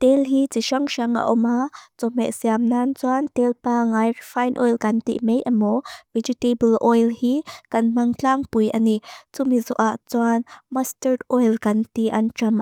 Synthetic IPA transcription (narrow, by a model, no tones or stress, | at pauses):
t̪elɦit͡siʃɐŋʃɐŋa̰ʔɔmat͡sɔmɛʔsiamnant͡swant̪ɛlpaːŋajrifajnʔɔjlkɐnt̪ḭʔmejʔɐmɔvɛd͡ʒutebəlʔɔjlhikɐnm̥ɐŋt͡ɬaːŋpujʔanit͡sʊmizɔʔaʔt͡swanmɐstərdʔɔjlkɐnt̪iʔɐnt͡ʃɐm